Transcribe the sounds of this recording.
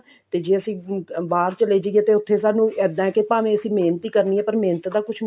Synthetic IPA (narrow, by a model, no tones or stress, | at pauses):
t̪eːd͡ʒeːəsĩːʋaːɾt͡ʃəleːd͡ʒeɡɛːt̪eːʊt̪ʰːeːsaːnũːɛːd̪ãːɛːkepaːʋẽːəsĩːmeːnt̪iːkəɾniːɛːpəɾmeːnt̪ːd̪aːkʊt͡ʃʰ